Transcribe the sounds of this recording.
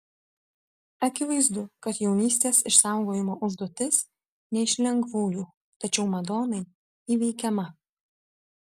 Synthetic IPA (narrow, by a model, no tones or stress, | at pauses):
ɐkʲɪʋɐɪzd̪ʊkɐt̪jɛʊnʲiːsʲt̪ʲeːsɪʃsɑˑʊɡoːjɪmoːʔʊʒd̪uɔt̪ʲɪs | nʲɛɪʃʲlʲɛŋɡʋuːjuː | t̪ɐt͡ʃʲɛʊmɐd̪oːnɐɪ | iːʋʲɛɪkʲɛmɐ